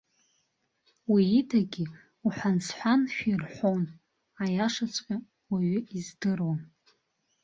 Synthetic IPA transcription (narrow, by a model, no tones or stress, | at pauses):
wiːtʰaɡʲɪ | uħʷᶣansħʷanʃᶣirħʷon | ajaʂat͡sʷʼkʲʼa | waɥʏizdɨrwan